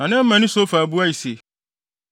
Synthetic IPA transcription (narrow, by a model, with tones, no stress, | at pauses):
ã˨nɪ̃˦m̩˦mã˨nʊ̃˦so˦fa˨bu˦a˦i˨se˨